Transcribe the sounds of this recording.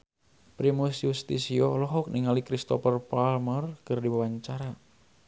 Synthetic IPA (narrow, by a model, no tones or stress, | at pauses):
pɾimusjust̪isiɔlɔɦɔk̚niŋalikɾist̪ɔfərpalmərkɨrdibawaɲt͡ʃaɾa